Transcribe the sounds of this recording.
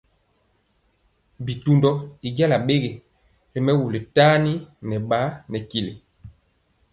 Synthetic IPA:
bi˨tu˦ndɔ˦i˨ɡja˦la˨ɓe˦ɡe˨ | ɾi˨mɛ˦wu˨le˨taː˦ni˦nɛ˨ɓa˨˦nɛ˨ki˨le˨

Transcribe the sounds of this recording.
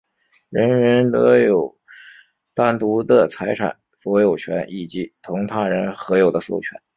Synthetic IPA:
ɻə˧˥nɻə˧˥nt̪ɤ˧˥jo˨˩ʊ | t̪a˥˩nt̪u˧˥d̪ə˧t͡sʰa˧˥ɪʈ͡ʂʰa̰˨˩˦n | swɔ˧˥jo˨˩ʊt͡ɕʰɥɛ̰˧˥nʔi˨˩t͡ɕi˧˥t̪ʰʊ˧˥ŋt̪ʰa˥˩ɻə˧˥nxɤ˧˥jo˨˩ʊd̪ə˦so˨˥˩ʊt͡ɕʰɥɛ̰˧˥n

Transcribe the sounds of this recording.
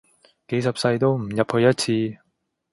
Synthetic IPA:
ke˨˥js̬ɐ˨p̚sɐ˧jt̪o˥wm̩˨˩jɐ˨p̚hɵ˧ɥjɐ˥t̚t͡sʰiː˧

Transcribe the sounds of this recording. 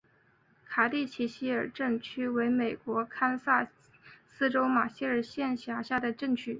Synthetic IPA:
kʰa˨˩t̪i˥˩t͡ɕʰi˧˥ɕi˥ə˞˨˩ʈ͡ʂɤ˥˩ŋt͡ɕʰy˥we˧˥ɪme˨˩ɪkwɔ˧˥kʰa˥nsa˥˩ | sɹ̩˥ʈ͡ʂo˥ʊma˨˩ɕɛ˥˩ə˞˨˩ɕjɛ˥˩nɕja˧˥ɕja˥˩d̪ə˩ʈ͡ʂɤ˥˧ŋt͡ɕʰy˥˩

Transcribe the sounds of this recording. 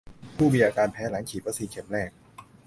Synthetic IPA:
pʰuː˥˩miː˧ʔaː˧kaː˧npʰɛː˦˥la˩˦ŋkʰiː˨˩t̪̚pa˧siː˧˦kʰe˨˩˦mɾɛː˥˩k̚

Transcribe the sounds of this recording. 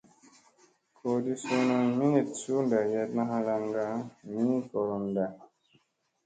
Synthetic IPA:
kʰo˨di˦su˦na˧mi˦ni˨tsu˦nda˨jɛ˦tna˦ɦa˦la˧ŋɡa˦mĩ˦kɔ˨ɾɔ˨nda˨

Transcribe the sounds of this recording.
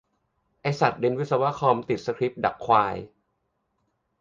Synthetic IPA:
ʔa˧jsa˨˩t̪̚de˧nwi˦˥t̪̚sa˧wa˦˥kʰɔː˧mt̪i˨˩t̪̚sa˧kʰɾi˦˥p̚da˨˩kʰːwaː˧j

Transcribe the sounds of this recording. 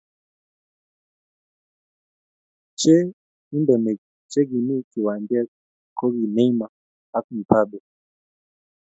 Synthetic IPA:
t͡ʃɛ˦ | i˦ndɔ˨mɛ˨ | t͡ʃɛ˦ɡi˨ni˦ki˨wa˨ndi˦a˦ | kʰɔ˦ɣi˨nɛ˦i˦ma˨ | a˦ku˨n̩˨pʰa˦˨bɛ˨

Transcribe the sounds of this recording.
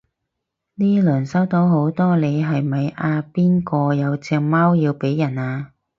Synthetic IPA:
niː˥lɵː˨˩nsɐ˥wt̪o˨˥wɦo˨˥wt̪ɔː˥le˨˧jɦɐ˨jmɐ˨jaː˧piː˥nkɔː˧jɐ˨˧wt͡sɛː˧ŋmaː˥wjiː˧wpe˨˥jːɐ˨˩naː˧

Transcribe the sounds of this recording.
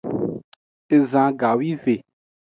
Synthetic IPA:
e˨zã˨ɡa˨wi˦ve˨

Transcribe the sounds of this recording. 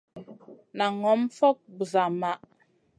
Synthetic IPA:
na˨ŋɔ˨˦mfɔ˦k̚bu˨za˨ma˨ʔ

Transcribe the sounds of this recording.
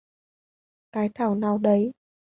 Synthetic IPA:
kaː˨˦jt̪ʰaː˧˩wnaː˨˩wɗə˨˦j

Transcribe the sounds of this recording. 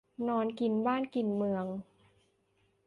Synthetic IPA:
nɔː˧˥nki˨˩nbaː˥˩˨nki˨˩nmɯ˧əŋ

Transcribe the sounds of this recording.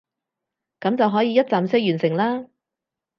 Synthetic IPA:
kɐ˨˥mt͡sɐ˨wɦɔː˨˥jiː˨˧jɐ˥t̚t͡saː˨msɛː˥jyː˨˩nsɪ˨˩ŋlaː˥

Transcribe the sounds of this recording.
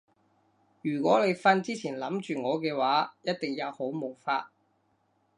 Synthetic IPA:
jyː˨˩kʷɔː˨˥ne˨˧jfaː˧˥nt͡siː˥t͡sʰiː˨˩nlɐ˨˥mt͡ʃyː˨ŋɔː˨˧kɛː˧waː˨˥jɐ˥t̚t̪ɪ˨ŋjɐ˨˧who˨˥wmo˨˩wfa̰ː˧t̚

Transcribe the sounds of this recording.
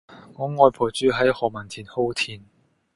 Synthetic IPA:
ŋɔː˨˧ŋɔː˧jpʰo˨˩t͡syː˨˥ɦɐ˨˥jhɔː˨˩mɐ˨˩nt͡s̪ʰiː˨˩nho˥wt̪ʰiː˧n

